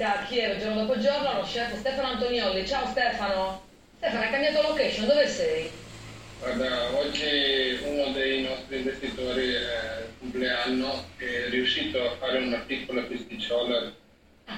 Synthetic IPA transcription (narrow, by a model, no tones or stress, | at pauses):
d̪akiɛɾod͡ʒoɾrnod̪ɔpod͡ʒornonɔʃːɛlt̪ost̪ɛfanoant̪onjɔlːit͡ʃaost̪ɛːfano | st̪ɛfanoɛkːambjat̪olokɛʃond̪ovesɛj | ɡwaɾd̪aɔd͡ʒːiunod̪ejnɔst̪ɾiːɱvest̪it̪oːɾiɛkompleanːoɛriuʃːiːt̪oafaːɾeunat̪ikolafist̪it͡ʃɔlaɾ